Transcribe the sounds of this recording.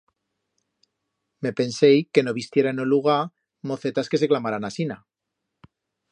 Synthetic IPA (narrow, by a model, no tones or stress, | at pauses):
me̞pe̞nse̞jke̞no̞β̞ist̪jeɾaenoluɣ̞a | mo̞θe̞t̪aske̞se̞klamaɾanasina